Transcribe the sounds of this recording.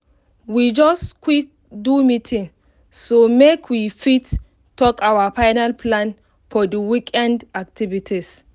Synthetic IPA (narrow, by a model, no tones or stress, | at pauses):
wid͡ʒɔskwik̚ | dumitʰĩŋ | somekʰwifit | tːɔkawafajnalpʰlãn | fɔduwikʰɛ̃ndak̚tʰivitʰis